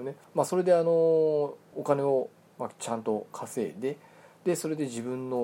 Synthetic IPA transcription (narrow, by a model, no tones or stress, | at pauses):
ne̞maso̞ɾe̞d̪e̞ano̞ː | kane̞o̞ | mat͡ɕãnt̪o̞kʰase̞̰ːd̪e̞d̪̥e̞so̞ɾe̞d̪e̞ʑibɯ̟̃nːo̞